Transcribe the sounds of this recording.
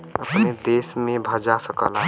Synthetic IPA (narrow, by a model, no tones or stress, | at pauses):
əpned̪eːsmẽbʱəd͡ʒasəkə̰la